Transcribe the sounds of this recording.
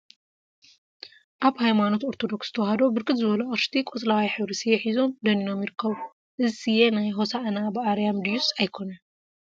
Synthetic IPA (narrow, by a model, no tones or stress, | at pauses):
ʔaβhajmano̞t̪oɾt̪ʰo̞d̪o̞ksz̥ɨt̪ʰɐwhɐd̪obɨɾkɨt̪zɨβɐluɐɾʃt̪ʰikʼot͡sʼlawajħɨβɾisijɛħizo̞md̪ɐnino̞mjɪɾɨkʰːɐβu | ʔɨzsijenajɦo̞saʔnabɨʔaɾjamd̪ijusajkʰo̞nɐ